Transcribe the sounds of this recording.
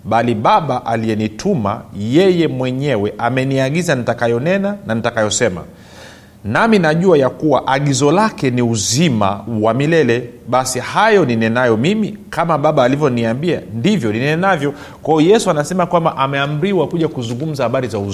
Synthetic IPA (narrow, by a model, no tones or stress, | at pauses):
ɓaliɓaɓaʔalijɛnitʰuma̰jɛjɛmwɛɲɛwɛʔamɛniaɠizanitakajɔnɛnananitakajɔsɛma̰ | naminaʄuajakuwaʔaɠizɔlakɛniuzima̰wamilɛlɛɓasihajɔninɛnajɔmimikamaɓaɓaːlivjɔniambia̰ndivjɔninɛɛnavjɔ | kwahɔjɛsuanasɛmakwambaʔamɛam̩ɾiwakuʄakuzuŋɡum̩zahaɓaɾizauz